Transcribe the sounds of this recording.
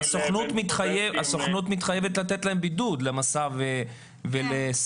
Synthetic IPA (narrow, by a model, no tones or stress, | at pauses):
asoχnut̪mit̪χajeasoχnut̪mit̪χajevet̪lat̪let̪lae̞mbidud̪lemasave | veles